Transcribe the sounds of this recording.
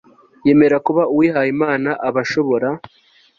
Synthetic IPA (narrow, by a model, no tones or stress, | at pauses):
je̞ːmeɾakuβauwiɦajimaːnaʔaβaʃo̞βo̞ɾa